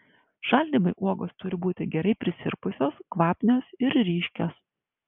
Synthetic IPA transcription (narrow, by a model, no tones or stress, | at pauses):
ʃɐlʲd̪ʲiːmɐɪʔuɔɡoːst̪ʊɾʲɪbuːt̪ʲɪɡʲɛɾɐɪpʲɾʲɪsʲɪ̰ɾpʊsʲoːskʋɑːpʲnʲoːsɪɾɾʲiːʃʲkʲɛs